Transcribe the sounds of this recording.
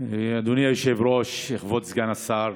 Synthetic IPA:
ad̪unijajoʃevɾoʃeχvot̪zɡanasaɾ

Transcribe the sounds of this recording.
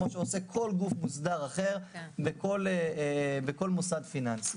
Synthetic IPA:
oʃeose̞kʰo̞lɡufmusd̪aʁaχe̞ʁbekolebeko̞lmosadfinansi̥

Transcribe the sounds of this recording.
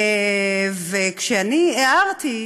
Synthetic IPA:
vekʃeanieaʁt̪i

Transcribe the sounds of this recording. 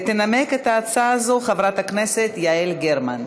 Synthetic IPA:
t̪enameket̪aːt͡saːzoχavʁat̪hakneset̪jaelɡeʁman

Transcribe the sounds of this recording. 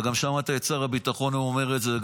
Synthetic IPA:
ɡamʃamat̪aet͡saʁabitaχo̞nuomeʁetzeɡ

